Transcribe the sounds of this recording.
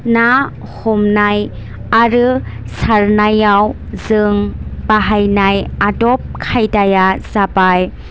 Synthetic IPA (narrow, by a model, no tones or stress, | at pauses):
na | hɔmnaj | aɾɯ | saɾnajaw | zɯŋbaɦajnajadɔp̚kʰajdajaz̥abaj